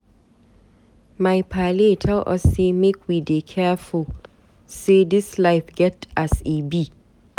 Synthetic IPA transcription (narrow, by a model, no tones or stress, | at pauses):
maɪpʰaletʰalʔɔsemekʰwidekʰɛful | sedɪslaɪfɡ̥ɛtasibi